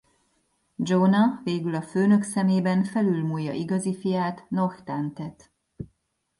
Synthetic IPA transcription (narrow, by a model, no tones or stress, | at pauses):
d͡ʒonɒveːɡylɒføːnø̞ksɛmeːbɛnfɛlylmuːjːɒ̰ʔiɡɒzifijaːt̪no̞xt̪ant̪ɛt̪